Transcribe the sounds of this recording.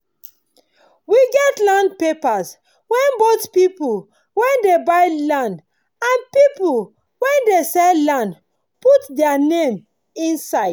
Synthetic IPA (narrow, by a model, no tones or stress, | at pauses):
wiɡɛtlãndpepas | wɛ̃nbotpipu | wɛ̃ndebaɪlãnd | ãnpipul | wɛ̃ndesɛllãnd | putdɛanẽm | ĩnsaɪd̥